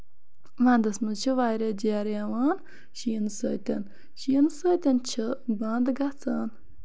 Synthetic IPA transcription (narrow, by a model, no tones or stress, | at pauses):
ʋãːnd̪ɐsmut͡ʃʰiʋaːjɾed͡ʒeaɾjaʋaːn | ʃinsəːt̪ʲɐn | ʃinsəːt̪ʲɐnt͡ʃʰɨbãːnd̪ɡat͡saːn